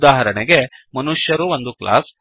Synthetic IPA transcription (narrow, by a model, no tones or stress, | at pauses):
d̪aːɦɐɾɐɳeɡe̞mɐnuʂjɐɾuʋond̪ukla̰ːs